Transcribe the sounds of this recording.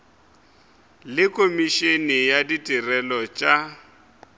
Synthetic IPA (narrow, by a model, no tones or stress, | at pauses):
lɪkʼomiʃenijaditʼirɛlɔt͡ʃʼa